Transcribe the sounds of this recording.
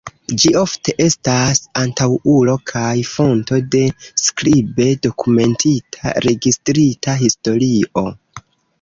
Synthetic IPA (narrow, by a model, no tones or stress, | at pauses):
d͡ʒio̞fte̞ʔe̞stasantawulo̞kʰajfo̞nto̞de̞skɾibe̞do̞kume̞ntʰitʰa̰ɾe̞ɡistɾitʰaɦisto̞ɾiʔo̞